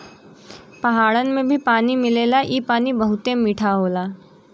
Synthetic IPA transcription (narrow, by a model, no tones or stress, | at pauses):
pɐɦaːɭənmẽbʱipaːnimɪleːlaʔiːpaːnibəɦʊt̪emiʈʰaɦoːlaː